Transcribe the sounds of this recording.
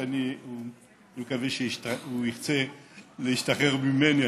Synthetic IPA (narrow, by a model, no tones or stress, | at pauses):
aniu | imkaveʃetauiχt͡selehiʃtaχeʁmimeni